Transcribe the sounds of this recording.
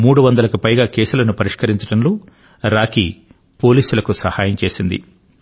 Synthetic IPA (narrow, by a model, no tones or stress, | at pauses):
muːɽuʋɐnd̪ɐlɐkupɐjɡaːkeːsulɐnupɐɾiʂkɐɾiɲt͡ʃɐɽɐnloː | ɾaːki | po̞ːliːsulɐkusɐhaːjɐmt͡ʃe̞ːsind̪ḭ